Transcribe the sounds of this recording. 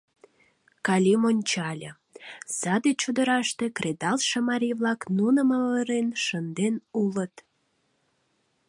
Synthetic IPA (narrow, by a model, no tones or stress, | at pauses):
kɑlʲimonʲt͡ɕɑlʲə | z̥ɑd̪et͡ɕud̪ə̆ɾɑʃt̪ekred̪ɑlʃə̆mɑɾʲijβlɑknunəmələɾenʃənd̪enulət̪